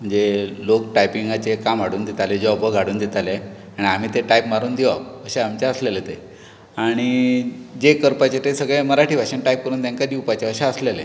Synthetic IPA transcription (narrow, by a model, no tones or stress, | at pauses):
m̤əɳd͡zelokʈajpiŋɡat͡ɕekamaɽuːnd̪it̪aled͡ʑeɔbʱəɡʱaɽuːnd̪it̪ale | aɽ̃iam̤iːt̪eʈajpmaɾuːnd̪iʋakəɕeamt͡ɕaəslelet̪e | aɽ̃id͡ʑekəɾpat͡ɕet̪esəɡɭẽməɾaʈʰiːʋaɕẽnʈajp̚kəɾuːnt̪jãŋkad̪iwpat͡ɕeəɕẽəslele